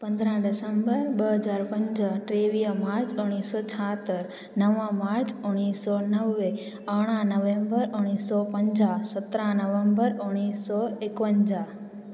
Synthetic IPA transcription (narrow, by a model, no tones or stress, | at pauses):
pə̃nd̪ɾãɖɪsəmbəɾbəɦəd͡ʒaɾpə̃ɲd͡ʒəʈɾeʋijəmaɾt͡ʃuɽ̃isɔt͡ʃʰaɦt̪əɾ | nəʋãmaɾt͡ʃuɳ̃isɔnəʋːe | əɽ̃ãnəʋẽmbəɾoɽ̃isːɔpəɲd͡ʒasət̪ɾãnəʋəmbəɾoɽ̃isːɔekʋəɲd͡ʒa